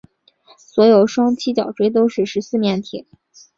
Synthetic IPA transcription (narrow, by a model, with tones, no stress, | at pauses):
swɔ˧˥jo˨˩ʊʂwɑ˥ŋt͡ɕʰi˥t͡ɕjɑ̰˨˩ʊʈ͡ʂwe˥ɪt̪̬o˥ʊʂɻ̩˥˩ʂɻ̩˧˥sɹ̩˥˧mjɛ˥˩nt̪ʰḭ˨˩˦